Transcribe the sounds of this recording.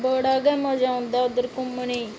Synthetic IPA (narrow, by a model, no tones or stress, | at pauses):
bəːɽaːɡɛːmãːd͡ʒaːʊ̃nd̪aːʊd̪əɾkʊmːəɳiː